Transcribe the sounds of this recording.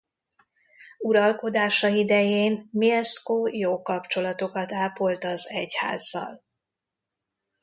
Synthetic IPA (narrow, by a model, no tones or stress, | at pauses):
uɾɒlko̞d̪aːʃɒid̪ɛjeːnmiɛskoːjoːkɒpt͡ʃo̞lɒt̪o̞kɒt̪aːpolt̪ɒzɛcha̰ːzːɒ̰l